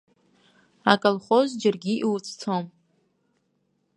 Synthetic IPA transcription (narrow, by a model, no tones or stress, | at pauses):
akʼəlχozd͡ʒarɡʲiʔiwt͡sʰt͡sʰom